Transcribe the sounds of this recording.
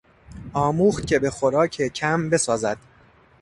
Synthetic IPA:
ɒːmuːxt̪̚cʲʰe̞be̞xo̞ɾɒːcʰecʰæmbe̞sɒːzæd̪̥

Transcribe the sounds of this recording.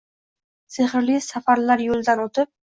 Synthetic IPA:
seχɾlisafaɾlaɾjolˠd̪anot̪ʰɪp̚

